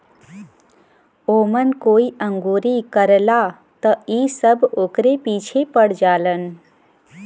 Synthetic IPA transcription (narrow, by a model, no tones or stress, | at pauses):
oːmənkoːiʔə̃ŋɡuːɾikəɾla | t̪əiːsəbʱoːkɾepiːt͡ʃʰepəɽ̤d͡ʒaːlən